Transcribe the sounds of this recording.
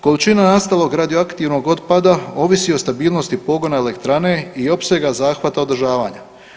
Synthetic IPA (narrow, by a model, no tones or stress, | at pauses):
ko̞lit͡ʃinanast̪alˠo̞ɡɾad̪ijoakt̪iʋno̞ɡo̞d̪pad̪ao̞ʋisio̞st̪abiːlˠno̞st̪ipo̞ɡo̞naele̞kt̪ɾane̞io̞pse̞ɡazaːxʋat̪ao̞d̪ɾ̩rʒaːʋaːɲa